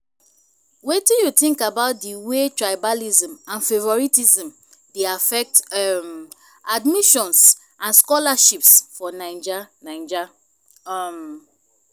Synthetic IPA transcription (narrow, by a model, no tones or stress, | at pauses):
wetĩnjutĩŋkabaʊt̚diwetɹajbalizɔ̃mãnfevɔɹitizĩm | deafɛk̚tm | admiʃɔ̃ns | ãnskɔlaʃipsfɔnãɪ̃nd͡ʒanãɪ̃nd͡ʒa | m